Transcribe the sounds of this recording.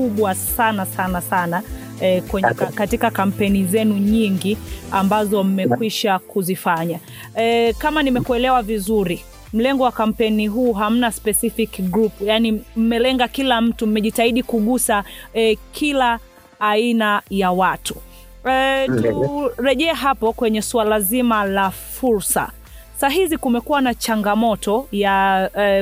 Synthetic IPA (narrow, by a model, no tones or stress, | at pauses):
kuɓwasanasanasana | ɛkɛɛkatikakam̩pɛnizɛnuɲiŋɡiambazɔm̩mɛkwiʃakuzifaɲa | kamanimɛkuɛlɛwavizuɾi | m̩lɛŋɡɔwakam̩pɛniɦuːɦam̩naspɛsifikɡɾupjanim̩mɛlɛŋɡakilam̩tum̩mɛʄitaiɗikuɠusa | kʰilaː | inajawatu̥ | tuɾɛʄɛɛɦapɔkwɛɲɛsualazimalafuɾsa̰ | saɦizikumɛkuwanat͡ʃaŋɡamɔtɔja